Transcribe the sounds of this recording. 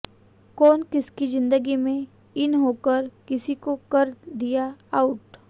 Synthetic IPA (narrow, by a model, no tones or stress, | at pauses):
kɔːnkɪskizɪ̃nd̪əɡimẽ | ɪnɦoːkəɾkɪsikokɐɾd̪ijaaʊʈ